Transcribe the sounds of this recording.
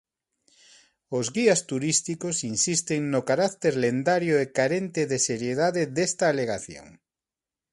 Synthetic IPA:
ozɣiast̪uɾist̪ikosinsist̪eŋnokaɾakt̪eɾlend̪aɾjoekaɾent̪eðeseɾjeðaðeðest̪aːleɣ̞aθjo̰ŋ

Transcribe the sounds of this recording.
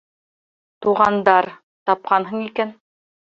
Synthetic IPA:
t̪uʁɑnd̪ɑɾ | t̪ɑp̚qɑnɦɤɴikæn

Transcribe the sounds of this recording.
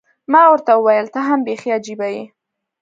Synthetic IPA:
mɑwəɾt̪awəwajəlt̪aɦambexiad͡ʒibaji

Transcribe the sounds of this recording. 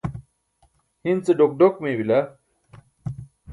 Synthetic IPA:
hint͡seɖok̚ɖokmẽwila

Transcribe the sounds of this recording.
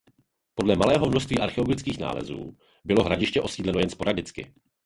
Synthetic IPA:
po̞dlɛmalɛːɦo̞mnoʃst̪viːʔaɾxɛoɡlɪt͡skiːxna̰ːlɛ̰zṵː | bɪlo̞ɦɾaɟɪʃcɛʔo̞siːdlɛno̞jɛnspo̞ɾadɪt͡skɪ̰

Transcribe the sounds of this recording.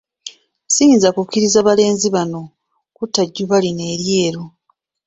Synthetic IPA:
siːnzakukːiɾizaβale̞ːnziβano̞ | kutːaɟːuβaline̞ːɾje̞ːɾo

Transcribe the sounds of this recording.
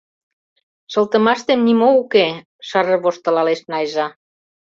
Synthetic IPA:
ʃɤ̆lt̪ə̆mɑʃt̪emnimouke | ʃɑrɤ̆βoʃt̪ə̆lɑleʃnɑjʒɑ

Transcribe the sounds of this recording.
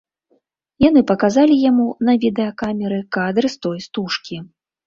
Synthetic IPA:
janɨpɐkazalʲijamunɐvʲid̪ɛɐkamʲɛɾɨkad̪ɾɨst̪ɔjst̪uʂkʲi

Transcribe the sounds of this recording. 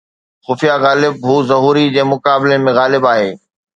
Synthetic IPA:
xʊfijaɣaːlɪb̚ɦuːzɐɦuːɾid͡ʑeːmʊkaːbɪlemẽɣaːlɪbaːɦeː

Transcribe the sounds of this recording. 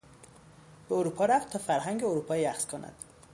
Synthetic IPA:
b̥eoɾuːpʰɒːɾæft̪ʰɒːfæɾɦæŋɟeoɾuːpʰɒːjjæxskʰonʔæ̰d̪̥

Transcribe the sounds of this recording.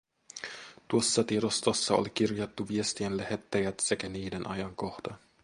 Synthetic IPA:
t̪uosːɑt̪iɾost̪osːɑo̰likirjot̪ːuʋiest̪ienlæhet̪ːæjæt̪sekæniːdenʔɑjɑŋkoxdɑn

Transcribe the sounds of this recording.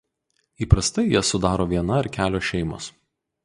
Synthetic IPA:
iːpɾɐst̪ɐɪjiɛsʊd̪ɑːɾoːʋʲiɛnɐɪɾkʲæːlʲoːʃʲɛɪmo̰ːs

